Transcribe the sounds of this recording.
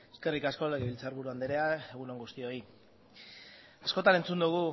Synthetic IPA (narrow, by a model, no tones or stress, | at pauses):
e̥ske̞rikasko̞leɣeβilt͡saɾβuɾuand̪eɾeae̞ɣuno̞ŋɡust̪io̞i | asko̞t̪ane̞nt͡sund̪uɣ̞u